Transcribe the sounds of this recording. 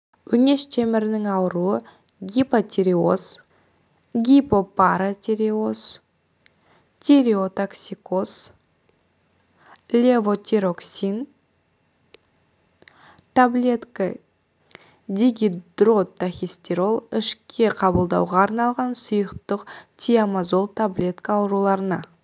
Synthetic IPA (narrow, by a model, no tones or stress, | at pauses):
wɵnʲe̞ʃt̪ʰemɪɾɪnɪŋɑwəɾuə | ɡʲipat̪ʲʰeɾio̞̰s | ɡʲipo̞paɾat̪ʲʰeɾio̞s | t̪ʲʰeɾiot̪aksʲikos | lʲevo̞t̪ʲʰeɾoksʲin | t̪ʰablʲe̞t̪ka | d̪ʲiɡʲid̪rot̪ːaxʲisʲt̪ʲeɾo̞lˠɪʃkʲʰe̞qʰɑbəlˠd̪ɑ̰wʁɑːɾnɑlˠʁɑnsʊjəqt̪əqt̪ʲʰijamazo̞lˠt̪ʰablʲe̞t̪kaːwɾulˠɑɾənɑ